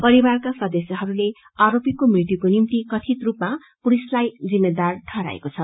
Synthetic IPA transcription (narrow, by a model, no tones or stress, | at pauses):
pʌɾibarkasʌd̪esjʌɦʌɾule | aɾopikomrit̪ikonimt̪ikʌt̪ʰit̪rupma | puɾislajd͡zimːed̪arʈʰʌɾa̰ḛkot͡sʰʌ